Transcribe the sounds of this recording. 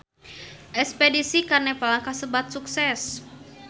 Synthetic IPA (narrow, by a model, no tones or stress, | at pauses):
ʔɛspedisikarnapalaŋkahsəbat̪̚suksɛs